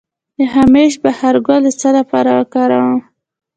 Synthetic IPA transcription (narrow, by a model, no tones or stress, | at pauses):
d̪əɦameʃbahaɾɡolət͡səlapɑɾawəkɑɾawam